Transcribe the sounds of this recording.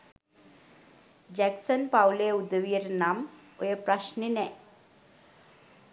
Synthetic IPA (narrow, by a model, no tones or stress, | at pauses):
d͡ʒɛksənpawleud̪əʋijəɾnamojepɾaʃninɛ